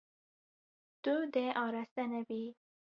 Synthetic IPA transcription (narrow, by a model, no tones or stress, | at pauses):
d̪̥ud̪eʔɑɾast̪anawi